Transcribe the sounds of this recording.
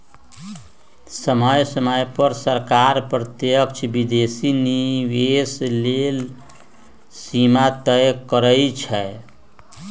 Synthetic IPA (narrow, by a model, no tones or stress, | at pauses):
səməjsəməjpəɾsəɾkaɾpɾət̪jək̚t͡ʃʰibid̪esiniweslel | simat̪əjkəɾəjt͡ʃʰɛ